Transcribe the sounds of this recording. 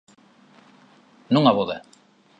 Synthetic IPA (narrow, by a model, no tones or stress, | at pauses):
nuŋaβoðḛ